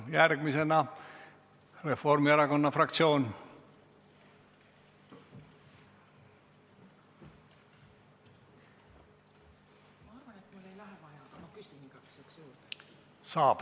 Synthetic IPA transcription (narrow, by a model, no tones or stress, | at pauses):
jærɡ̥mise̞nɑ | re̞fo̞rmiɑɾɑko̞nːɑfrɑk̚t̪sio̞ːn | mɑɑrvɑnet̪mulːejlæɦvɑjɑkɑmɑkysiɡ̥ɑksyksjuːɾd̪ | sɑːb̥